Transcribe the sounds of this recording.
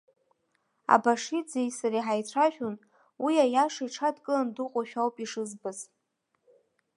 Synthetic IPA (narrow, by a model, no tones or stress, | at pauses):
a̰baʂid͡zejsaɾiħajt͡sʷʰaʃᶣon | wiajaʂajʈ͡ʂʰadkʼɨlandɨqʷʼaʃᶣawpʼiʂɨzbɨz